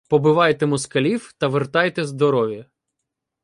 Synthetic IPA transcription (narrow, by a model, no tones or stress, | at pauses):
pɔbɪʋɑjt̪emʊskɐlʲiwt̪ɐʋert̪ɑjt̪ɛzd̪ɔɾɔʋʲjɐ